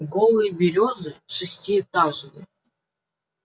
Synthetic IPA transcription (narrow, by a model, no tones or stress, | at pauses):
ɡolˠɨjbʲɪɾʲozɨʂɨsʲtʲiɛt̪ɑʐnʲˠɨ